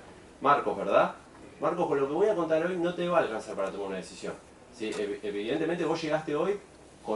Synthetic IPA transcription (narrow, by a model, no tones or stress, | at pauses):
maɾko̞ɦβeɾð̞a | maɾko̞hkonlo̞keβo̞jako̞nt̪̬aɾo̞jno̞t̪eβaːlkansaɾpaɾat̪o̞maɾunað̞esisjo̞̰n | sieeβiðent̪ement̪eβo̞sʃe̞ɣast̪e̞o̞j | ko